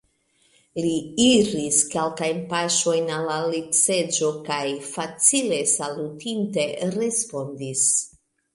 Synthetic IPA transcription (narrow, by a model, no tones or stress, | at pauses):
liiɾiskelkajnpaʃo̞jnalːalipse̞d͡ʒo̞kajfat͡sile̞salutinte̞ɾe̞spo̞ndis